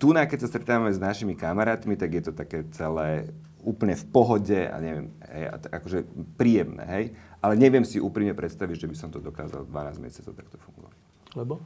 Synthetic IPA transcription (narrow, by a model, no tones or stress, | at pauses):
t̪unakɛcsast̪ɾɛt̪aːʋamɛznaʃimikamaɾaːt̪mit̪aɡjɛt̪ɔt̪akɛːt͡sɛlɛː | uːpl̩ɲɛfpɔɦɔɟɛa̰ɲɛʋjɛm | ɦɛ̰ja̰t̪akɔʒɛpɾiːjɛmnɛ̰ːɦɛjʔalɛɲɛʋɪɛmsiʔuːpɾimɲɛpɾɛt̪st̪aʋiɟʒɛbisɔmt̪ɔd̪ɔka̰ːza̰ld̪ʋanaːzmɛ̰sɪat͡sɔʊt̪ak̚t̪ɔfuŋɡɔ̰ʋa̰c | lɛbɔ